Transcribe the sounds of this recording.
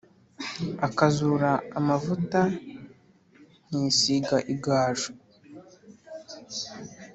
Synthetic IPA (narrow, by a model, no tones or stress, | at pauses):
akazuːɾaːmavuta | niːsiɡaʔiɡaːʒu